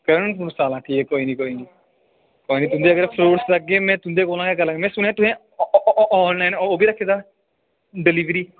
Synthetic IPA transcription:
kəɾənpunsaːlãːʈʰiːekoːiːnĩːkoːiːniː | koːiːniːt̪ʊnd̪eːəɡəɾpʰloːɽsləɡeːmɛ̃ːt̪ʊnd̪eːkoːlãːɡekəɾlãːɡemɛ̃ːsʊneaːt̪ʊɦẽː | ɔːnlaːɪnoːbiːɾəkʰːeːd̪aː | ɖɪliːʋɾiː

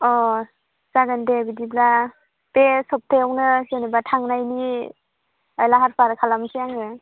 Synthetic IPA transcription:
ɔ | saɡɯndebidibla | pesɔp̚tʰeawnɯsenibatʰaŋnajni | ajlaɦaɾpʰaɾkʰalamsijaŋɯ

